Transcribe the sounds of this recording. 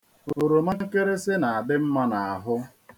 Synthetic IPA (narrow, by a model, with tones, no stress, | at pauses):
o˨ɾo˨ma˦ŋ˦ke˦ɾe˦sɪ˦na˨a˨bɪ˦m̩˦ma˦na˨a˨ɦʊ˦